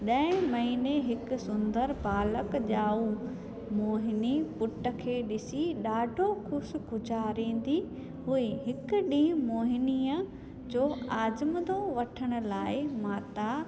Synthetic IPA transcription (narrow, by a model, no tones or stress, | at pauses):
ɗɐ̃ɪ̃mɐɦiːneɦɪkʊ̆sʊ̃nd̪əɾbaːləkʄaːu | moːɦɪnipʊʈə̆kʰeːɗɪsiɗaːɖʱokʰʊsɡʊd͡ʑaːɾĩːn̆d̪i | ɦuiɦɪkʊɗĩːmoːɦɪniːə | d͡ʑoːaːd͡ʑməd̪oʋɐʈʰəɽ̃ʊ̆laːɪmaːt̪a